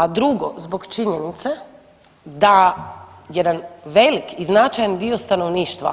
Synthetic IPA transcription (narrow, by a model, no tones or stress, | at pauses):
ad̪ɾuɡozbokt͡ʃiɲenit̪se | d̪a | jed̪anʋe̞likiznat͡ʃajand̪io̞st̪anoʋniːʃt̪ʋa̰